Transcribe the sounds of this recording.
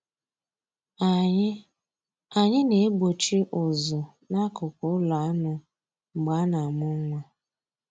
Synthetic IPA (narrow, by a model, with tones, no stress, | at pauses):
a˨ɲɪ˦ne˨e˦ɡ͡bo˨t͡ʃi˦ʔʊ˨zʊ˨ | na˦kʊ˨kʊ˦la˨a˦nʊ˦ | ŋ͡m̩˨ɡ͡ba˨˦na˨a˨mʊ˦ŋ̩˦ŋʷa˦